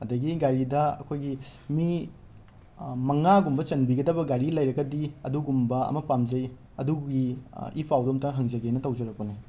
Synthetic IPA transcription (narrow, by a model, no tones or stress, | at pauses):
ɐdɐɡiɡajɾidɐɐ̰kʰojɡimi | mɐŋaɡumbɐt͡ʃɐnbiɡɐdɐbɐɡajɾilɐjɾɐɡɐdiɐ̰duɡumbɐɐ̰mɐpamzɐj | ɐduɡiḭpʰawdomtɐɦɐŋzɐɡenɐtɐwd͡ʒɐɾɐk̚poni